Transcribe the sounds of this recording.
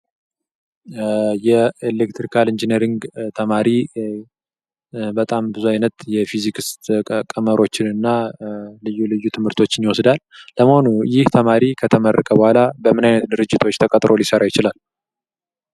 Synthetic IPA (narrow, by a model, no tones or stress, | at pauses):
jɛelekt̪ɾikʰalɨnd͡ʒineɾiŋɡt̪ʰəmaɾi | bət̪ʼambɨzuajnət̪jɛfizikɨst̪kʼəməɾʔo̞t͡ʃːɪnɨnːalɨjːulɨjːut̪ʰɨmhɨɾt̪ʰo̞t͡ʃːɪnjiwɔsd̪alːəməhonujɪht̪ʰəmaɾikʰət̪ʰəmərːəkʼəbəhʷalabəmɨnajnət̪d̪ɨɾɨd͡ʒːɪt̪ʰo̞t͡ʃːt̪ʰəkʼət̪ʼɾʔo̞lisəɾajɪt͡ʃɪlal